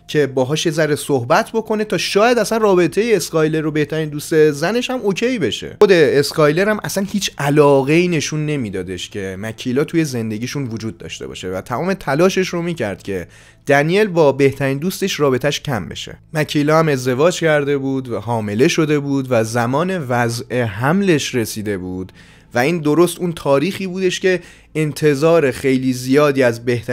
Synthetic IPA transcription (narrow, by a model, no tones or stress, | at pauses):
cʰe̞bɒːɦɒːʃje̞zæɾesohbæt̪ʰbo̞kʰo̞ne̞t̪ʰɒːʃɒːjæd̪æsænrɒːbe̞t̪ʰe̞jeːskɒjleɾobe̞ht̪ʰæɾiːnd̪uːst̪e̞zæne̞ʃhæmocʰe̞jbe̞ʃe̞̰od̪e̞ːskɒjle̞ɾæmʔæsænhiːt͡ʃʰʔælɒːɣe̞iːne̞ʃunːe̞miːd̪ɒːd̪e̞ʃcʰe̞mæcʰilɒːt̪ʰuːje̞ze̞nd̪e̞ɡɟiːʃunvod͡ʒuːd̪̚ːɒ̰ːʃt̪ebɒ̰ːʃevæ̰t̪ʰæmɒːme̞t̪ʰælɒːʃe̞ʃro̞miːcʰæ̰ɾd̪̥cʲʰe | d̪̥ænije̞lbɒːbe̞ht̪ʰæɾiːnd̪uːst̪e̞ʃrɒːbe̞t̪ʰæʃcʰæmbḛʃḛmæcʰilɒːhæme̞zd̪e̞vɒːd͡ʒcʰæɾd̪e̞buːd̪væhɒːme̞le̞ʃo̞d̪e̞buːd̪væzæmɒːne̞væzʔe̞ɦæmle̞ʃre̞siːd̪e̞buːd̪̥ | væiːnd̪o̞ɾo̞st̪unt̪ʰɒːɾiːxiːbuːd̪e̞ʃce̞ | ent̪ʰe̞zɒːɾe̞xe̞jliːzijɒːd̪iːæzbe̞ht̪æ